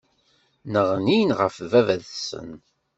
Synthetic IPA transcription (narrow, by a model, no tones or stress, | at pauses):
nəʁninʁə̰fvævæðsə̰n